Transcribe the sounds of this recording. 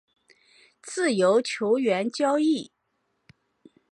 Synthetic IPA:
t͡sɹ̩˥˩jo˧˥ʊt͡ɕʰjo˧˥ʊɥɛ˧˥nt͡ɕjɑ˥ʊi˥˩

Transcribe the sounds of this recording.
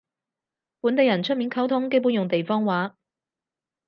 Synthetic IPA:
puː˨˥nt̪e˨˧jɐ˨˩nt͡ʃʰɵ˥t̚miː˨˥nkʰɐ˨˥wt̪ʰʊ˧˥ŋke˥puː˨˥njʊ˨ŋt̪e˨jfɔː˥ŋwaː˨˥

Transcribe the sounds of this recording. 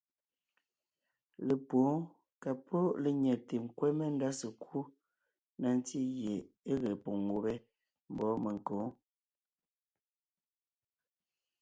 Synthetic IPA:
le˨poː˨˦ | ka˨pʰo˦le˨ɲɛ˨te˨ŋ̩˦˨kwɛ˦me˦n̩˦da˦sə˨kʰu˦ | na˨n˦ti˦ɣje˨ | e˦ɣe˨po˨ŋo˨be˦ | m̩˨bɔ˨˦me˨ŋ˨koː˨˦

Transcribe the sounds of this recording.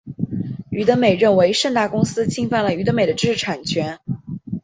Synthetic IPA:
y˧˥t̪ə˧˥me˨˩ɪɻə˥˩nwe˧˥ɪʂə˥˧ŋt̪a˥˩kʊ˥ŋsɹ̩˥t͡ɕʰi˥ŋfa˥˩nlə˩y˧˥ə˧˥me˨˩d̪ə˦ʈ͡ʂɻ̩˥˩ʈ͡ʂʰa˨˩nt͡ɕʰɥɛ˧˥n

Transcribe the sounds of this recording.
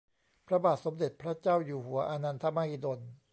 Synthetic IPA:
pʰɾa˧baː˨˩t̪̚so˩˦md̪e˨˩t̪̚pʰɾa˦˥t͡ɕaː˥˩wjuː˨˩hu˩˦ɐʔaː˧na˧nt̪ʰa˧maː˧hi˧do˧n

